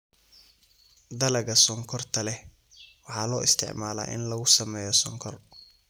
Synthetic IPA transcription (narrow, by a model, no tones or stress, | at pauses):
d̪ɐlɐɣɐsɔŋkʰɔrt̪ʰɐlɛ | wɑħɑːlɔːɪst̪ʰɪ̰ʕmaːla̰ːʔɪ̰nlɐɣʊsɐmɛːjɔsɔŋkʰɔr